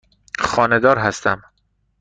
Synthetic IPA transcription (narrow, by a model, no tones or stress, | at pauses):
xɒːne̞d̪ɒːɾɦæst̪æm